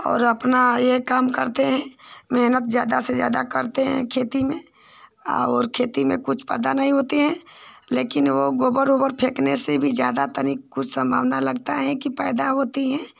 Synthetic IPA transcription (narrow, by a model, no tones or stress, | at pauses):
ɔ̰ːɾɐpnajekaːmkəɾt̪eɦɛ̃meɦnət̪̚d͡ʒjaːd̪ased͡ʒja̰ːd̪akəɾt̪eɦɛ̰̃kʰeːt̪imẽ | ɔ̰ːɾkʰeːt̪imẽkʊt͡ʃʰpɛ̰ːd̪anɐɦĩɦoːt̪eɦɛ̃ːleːkɪnʋoɡoːbəɾoːbəɾpʰeːknesebʱid͡ʒjaːd̪at̪ənikkʊt͡ʃʰsə̃mbʱa̰ːʋnalɐɡt̪aɦɛ̃kipɛːɪd̪aɦoːt̪iɦɛ̃